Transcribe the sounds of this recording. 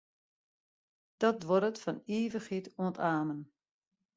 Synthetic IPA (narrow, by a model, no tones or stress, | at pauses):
d̥ɔtʋɔɾətfɔniːvəxhituə̃ntaːmən